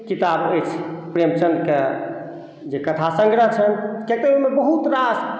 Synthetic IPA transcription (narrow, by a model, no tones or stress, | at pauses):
kit̪abət͡ʃʰpɾemt͡ʃənd̪ke | d͡ʒekət̪ʰasə̃ŋɡɾət͡ʃʰənkek̚t̪əumebəɦut̪ɾas